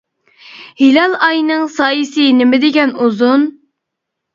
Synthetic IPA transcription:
hilɑlˠɑjnɨŋsɑːjisɨnɪmɪd̪ɪɡʲɛnuzun

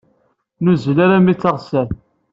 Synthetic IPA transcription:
nuzəlaɾamit͡sːəʁsæɾ

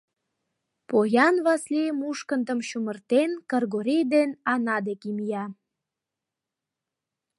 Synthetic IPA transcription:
pojɑnβɑsliəmuʃkənd̪əmɕumərt̪enkərɣoɾʲijd̪enɑnɑd̪ekimijɑ

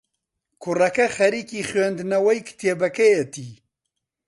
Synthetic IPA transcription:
kʰʊrɐkɐxɐɾiːkiːxwɛnd̪nɐwɐjkʰɨ̥t̪ʰeːbɐkɐjet̪ʰiː

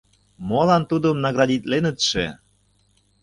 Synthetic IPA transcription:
molɑnt̪ud̪ə̆mnɑɣɾɑd̪ʲit̪lenə̆t̪ʃe

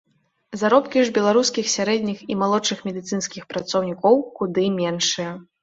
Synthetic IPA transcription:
zaɾɔpkʲiʐbʲɛlˠaɾuskʲixsʲaɾɛd̪ʲnʲiximalˠɔt͡ʂɨxmʲɛd̪ɨt̪sɨnskʲixpɾɐt̪sɔwnʲikɔwkud̪ɨmʲɛnʂɨjɐ

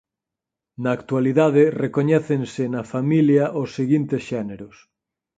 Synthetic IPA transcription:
naːkt̪waliðaðerekoɲɛθensenafamiljaʔosːeɣint̪esʃɛneɾos

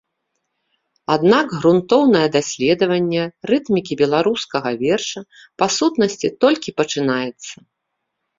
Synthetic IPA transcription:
ad̪naɡɣɾunt̪ɔwnɐjɛd̪asʲlʲɛd̪ɐvɐnʲːɛrɨt̪mʲikʲibʲɛlˠaɾuskɐɣɐvʲɛrʂɐ | pasut̪nɐsʲt͡sʲit̪ɔlʲkʲipɐt͡ʂɨnajɛt̪sːɐ

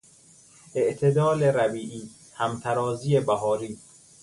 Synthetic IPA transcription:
ʔeʔt̪ʰed̪ɒːleɾæbiːʔiː | hæmt̪ʰæɾɒːziːebæɦɒːɾiː

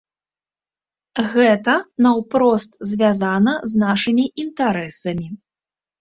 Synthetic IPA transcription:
ɣɛt̪ɐnɐwpɾɔst̪zʲvʲazanɐznaʂɨmʲiint̪aɾɛsɐmʲi

